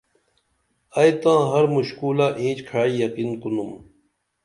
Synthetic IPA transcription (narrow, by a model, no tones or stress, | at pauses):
ɐjt̪ãːɦɐɾmuɕkuːlaːʔĩːt͡ɕkʰaːijɐqiːnqunum